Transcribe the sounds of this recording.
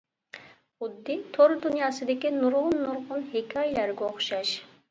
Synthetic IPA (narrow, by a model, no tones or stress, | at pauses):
ʊd̪ːɪt̪ʰoɾd̪unjɑːsɨd̪ɪkʲinuɾʁʊnːuɾʁʊnhekʲʰɑjilæɾɡʲɛoχʃɑʃ